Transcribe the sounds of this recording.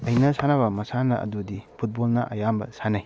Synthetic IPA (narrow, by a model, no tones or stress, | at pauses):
ɐjnɐsanaβɐmɐsanɐɐ̰dudipʰut̚bolnɐʔɐ̰jambɐ̰sanaj